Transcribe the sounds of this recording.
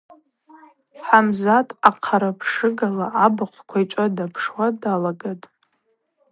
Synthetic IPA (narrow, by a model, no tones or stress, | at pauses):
ħamzatʼaqʰaɾapʰʂɨɡalaʔabɨqʷʰkʷʰaiʈ͡ʂʼadapʰʂwadalaɡatʼ